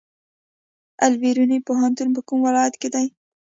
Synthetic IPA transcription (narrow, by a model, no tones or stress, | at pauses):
alwiɾunipoɦant̪unp̬əkumwɪlɑjat̪ked̪aj